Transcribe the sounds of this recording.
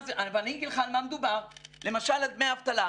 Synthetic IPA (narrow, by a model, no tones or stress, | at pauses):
zeʔavaniŋɡilχalmamed̪ubaʁlemaʃalad̪̚meaːvt̪ala